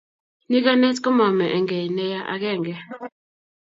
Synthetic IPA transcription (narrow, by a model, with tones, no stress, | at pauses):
ni˦ka˦nɛ˦sko˦mɔ˨mɛ˨ʔɛ˨ŋɡe˨nɛ˦ja˦ʔa̰˨kɛ˦˨ŋɡɛ˨